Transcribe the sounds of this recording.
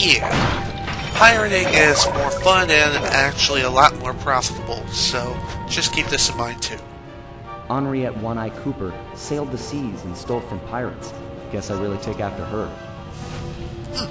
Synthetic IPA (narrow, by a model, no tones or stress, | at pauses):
jæ | pʰaɪɹɨɾɪ̃ŋɪzmɔɹfʌ̃nɨ̃nɨ̃næk̚t͡ʃul̩ˠiəlɔt̚mɔɹpʰɹ̥ɑfəɾəbl̩ˠsoʊ̥d͡ʒ̥ʌskʰip̚ðɪsɨ̃nmãɪ̃ntʰʉ | ɑ̃nɹiɨʔ̚wʌ̃ñaɪkʰupə˞ | seɪlˠd̪̚ðɨsizɨ̃n̩stoʊlˠfɹʌ̃mpʰaɪɹɨ̰ts | ɡ̥ɛsaɪɹɪlˠitʰeɪkæftə˞ə˞